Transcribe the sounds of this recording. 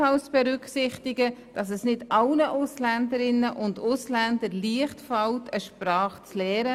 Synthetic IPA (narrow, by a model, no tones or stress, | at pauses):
ɑlsb̥ɛɾʏksɪχtɪɡəd̥ɑs̬ɛsnɪdɑlnəʔʊslændəɾɪnːəʔʊndʊslændəɾliəχtfɑltʰəʃpɾɑːχt͡slɛːɾə